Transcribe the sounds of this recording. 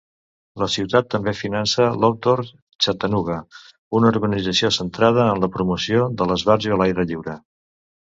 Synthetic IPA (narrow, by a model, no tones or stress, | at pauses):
ləsiwt̪at̪ːəmbefinansəlɔk̚t̪oɾ | t͡ʃət̪ənuɣə | unəuɾɣənid͡zəsiosənt̪ɾað̞əːnləpɾumusioðələzβaɾziəlajɾəʎiwɾə